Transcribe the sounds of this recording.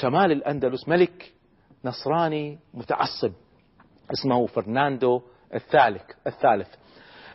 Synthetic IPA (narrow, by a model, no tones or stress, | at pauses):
ʃamaːlɪlʔand̪alʊsmalɪk | nɑsˤɾˤɑːnimʊt̪a̰ʕɑsˤːɨb̚ | ʔɪsmahufɪɾnaːnd̪o | ʔɪθːaːlɪkɪθːaːlɪθ